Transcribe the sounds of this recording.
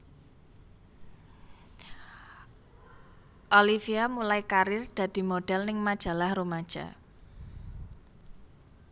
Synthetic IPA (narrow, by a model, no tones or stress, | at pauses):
ʔolifiamulajkaɾɪrd̪̥ä̤d̪̥i̤moɖ̥ɛlnɪŋmad̥ʒ̥a̤lahrumad̥ʒ̥a̰